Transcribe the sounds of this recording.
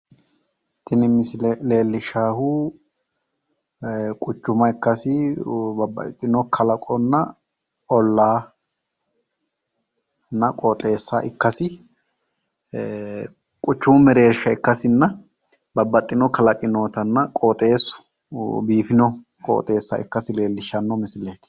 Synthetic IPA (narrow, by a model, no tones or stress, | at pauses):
t̪ʰɪnɪmɪslle̞ːlːɪʃaːhu | kʼʊt͡ʃːʊmɐɛkːɐsɪbɐbːɐ̰t̪ʼːɪnɔkʰɐlɐkʼɔnːɐ | ɔlːaː | nːɐkʼɔt̪ʼe̞ːsːa̰ʔɪkːɐsɪ | kʼʊt͡ʃːʊmmɛɾe̞ːʃːɐɪkːɐsɪnːɐ | bɐbːɐt̪ʼːɪnɔkɐlɐkʼɪnoːt̪ɐnːɐkʼɔt̪ʼe̞ːsʊ̥ | biːfɪnɔ | kʼɔ̰ːt̪ʼe̞ːsːɐ̰ɪ̰kːɐsɪle̞ːlːɪʃɐnːɔmɪsɪle̞ːt̪